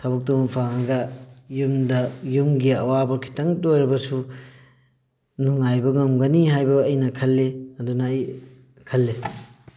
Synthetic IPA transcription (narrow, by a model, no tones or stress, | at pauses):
tʰɐbɐk̚tumpʰaŋhɐɡɐjumdɐjumɡiɐwabɐkʰi̥tɐŋtojɾɐbɐsu | nuŋajbɐŋɐmɡɐniɦajbɐːjnɐkʰɐlːeɐdunɐːj | kʰɐlːe